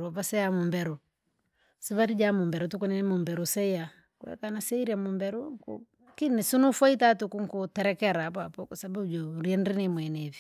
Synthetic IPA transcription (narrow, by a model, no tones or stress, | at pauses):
ɾwapasɛjamumbɛɾɔ | siβaɾid͡ʒamumbɛɾɔtukunɛnɛmumbɛɾusɛija | kwɛ̰kanasɛiɾiamumbɛɾukṵ | kinisunufaitatukuŋkutɛɾɛkɛɾapapɔkusabaud͡ʒoɾiɛnɾinimwɛnɛvi